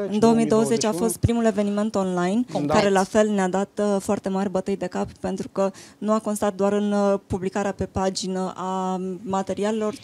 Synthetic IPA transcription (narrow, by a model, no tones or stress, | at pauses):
ɨnd̪o̞wəmijd̪o̞wəze̞t͡ʃafo̞st̪̚pɾimule̞ve̞nime̞nt̪o̞nlajnkaɾe̞lafe̞lnead̪at̪foart̪e̞marʲbət̪ɨjd̪e̞kappe̞nt̪ɾukənuakonst̪at̪̚d̪oaɾɨnpublikaɾeape̞pad͡ʒinəʔamat̪e̞ɾiale̞lo̞r